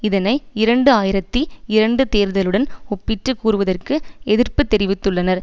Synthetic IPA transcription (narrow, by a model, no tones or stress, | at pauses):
ɪðɐnɐɪɪɾɐɳɖɯaːjɪɾɐt̪ːiɪɾɐɳɖɯt̪eːɾðɐlɯɽɐnɔpːɪʈrɯkːuːɾɯʋɐðɐrkɯɛðɪrpɯt̪ːɛɾɪʋɪt̪ːɯɭːɐnɐɾ